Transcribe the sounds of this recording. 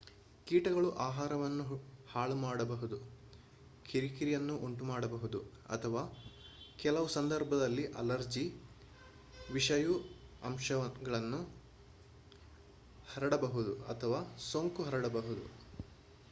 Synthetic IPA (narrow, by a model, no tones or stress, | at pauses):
kiːʈɐɡɐɭuʔaːɦaːɾɐʋɐnːuhaːɭumaːɽɐbɐɦud̪u | kʰiɾikiɾijɐnːuʔoɳʈumaːɽɐbɐɦud̪u | ɐ̰t̪ʰɐʋaː | kɛlɐʋusɐnd̪ɐɾbʱɐd̪ɐlːiʔɐ̰lɐɾd͡ʒi | ʋiʂɐju | ɐ̰mʃɐɐɡɐɭɐnːu | hɐɾɐɽɐbɐɦud̪uɐ̰t̪ʰɐʋaːsoŋkuɦɐɾɐɽɐbɐɦud̪ṵ